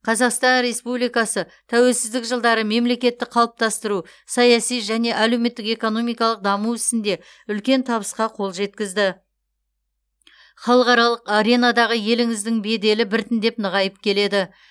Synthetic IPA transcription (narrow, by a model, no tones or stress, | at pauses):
qʰɑzɑqst̪ɑnɾe̞spublijkɑsə | t̪ʰæwe̞lsɪzd̪ɪkʒəlˠd̪ɑɾəme̞mle̞kʲe̞t̪ːɪk̚qʰɑlˠəp̚t̪ɑst̪əɾusɑjɑsijʒæne̞ʔæle̞wme̞t̪ːɪke̞ko̞no̞mijkɑlˠəq̚d̪ɑmuɪst̪ɪnd̪e̞ | ʏlkʲe̞nt̪ʰɑβəsqɑqʰo̞lˠʒe̞t̪̚kʲɪzd̪ɪ | χɑlˠəqɑɾɑlˠəqaɾe̞nɑd̪ɑʁəje̞lɪŋɪzd̪ɪŋbe̞d̪e̞lɪbɪɾt̪ɪnd̪e̞pnəʁɑjəp̚kʲʰe̞le̞d̪ɪ